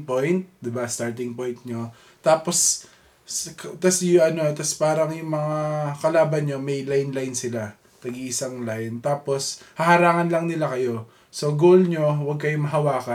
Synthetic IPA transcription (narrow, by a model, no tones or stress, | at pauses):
pojnt̪̚d̪ɪbast̪aɹt̪ɪŋpojnt̪̚ɲo̞ | t̪aːpo̞s | kt̪ɐsjʊʔɐno̞t̪ɐspaːɾɐŋjʊŋmɐŋakɐlaːbɐnɲo̞mɛjlajnlajnsɪla | t̪ɐɡiʔɪsɐŋlajnt̪aːpo̞shɐhɐɾaːŋɐnlɐŋnɪlakɐjo̞ | so̞ɡoːlɲo̞wɐɡ̚kɐjomɐɦɐwaːkɐ